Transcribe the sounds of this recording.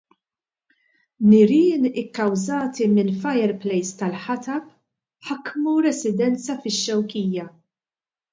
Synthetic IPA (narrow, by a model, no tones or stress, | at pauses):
nɪɾɪːnɪkːɐwzɐːt̪imɪnfɐjɛɾplɛjst̪ɐlħɐt̪ɐp | ħɐkːmuɾɛsɪd̪ɛnt͡sɐfɪʃːɛwkiːjɐ